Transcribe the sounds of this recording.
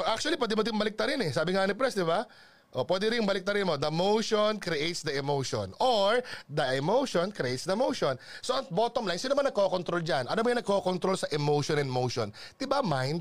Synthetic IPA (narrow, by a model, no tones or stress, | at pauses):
ʔak̚t͡ʃuɐlipwɛːd̪ɪmod̪ɪmbɐlɪk̚t̪ɐɾɪnɛsaːbɪŋanɪpɾɛsd̪ɪba | ʔopwɛd̪ɛɾɪŋmbɐlɪk̚t̪ɐɾɪnmod̪ɐmowʃonkɾɪʔejt̪sd̪ɐʔɛmowʃo̰noɹd̪ɐʔɛmowʃonkɾɪʔejt̪sd̪ɐmowʃonsoʔɐŋbot̪omlajnsinomɐnɐɡ̚ko̞kont̪ɾo̞ld͡ʒanʔɐnobɐjɐnɐɡ̚ko̞kont̪ɾolsɐʔɛmowʃonɛnmowʃo̰nd̪̥ɪbamajnd̪̚